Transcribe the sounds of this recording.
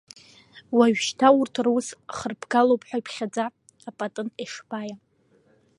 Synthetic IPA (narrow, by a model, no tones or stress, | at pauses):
waɥᶣʃtʰaurtʰrwusχərpʰɡalowpʰʼħʷᶣaipʰχʲad͡zaː | pʼatʼɨneʂbʼaja